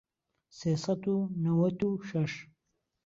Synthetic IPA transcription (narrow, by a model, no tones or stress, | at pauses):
sijsat̪unawat̪uʂaʂ